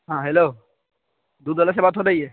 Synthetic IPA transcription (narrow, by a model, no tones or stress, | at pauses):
ɦãːɦeloː | d̪uːd̪əlas̬ebaːt̪ɦoːd̪aiɛ